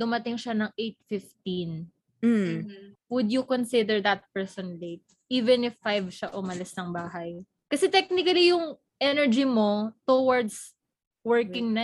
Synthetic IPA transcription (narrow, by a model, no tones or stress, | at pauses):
d̪ʊmɐt̪ɪŋʃanɐŋʔejt̪̚fɪft̪ĩn̩ | wʊd̪jʊkɔnsɪd̪ɛɹðɐt̪̚pɛɹsɔnlet̪̚ | ʔiːvɛnɪfːajvʃaʔʊmɐlɪsnɐŋbaːɦɐj | kɐsɛt̪ɛk̚nɪkɐlijʊŋ | ʔɛnɛɹd͡ʒimot̪owɐɹd̪s | wɛɹkɪŋnɐ